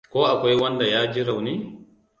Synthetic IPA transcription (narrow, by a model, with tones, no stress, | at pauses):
kɔː˦ʔa˨kɔ˦jwa˦nda˨jaː˦d͡ʒi˦ɾa˨wni